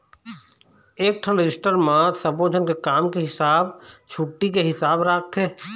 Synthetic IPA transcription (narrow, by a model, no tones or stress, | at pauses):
eːk̚ʈʰəlɾɪd͡ʒɪsʈəɾmãsəbod͡ʒʱənkekaːmkeɦɪsaːbt͡ʃʰuʈːikeɦɪsaːbɾaːk̚ʰt̪ʰɦɛː